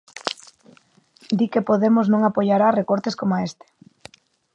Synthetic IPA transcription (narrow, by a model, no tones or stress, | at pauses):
d̪ikepoðemoznõŋapoʎaɾarekoɾt̪eskomaest̪ɪ̥